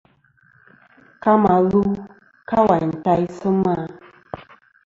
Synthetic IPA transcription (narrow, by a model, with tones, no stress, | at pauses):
ka˦ma˨lu˦ | ka˦wa˨n̩˨ta˦i˦sʊ˦ma˦˨